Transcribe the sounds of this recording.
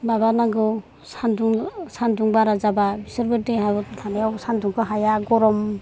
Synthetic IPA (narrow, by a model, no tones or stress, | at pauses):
babanaɡɯ | sanduŋsanduŋbaɾazababisɯɾbɯɾdeɦatʰanejawsanduŋkʰɯɦajaɡɔɾɔm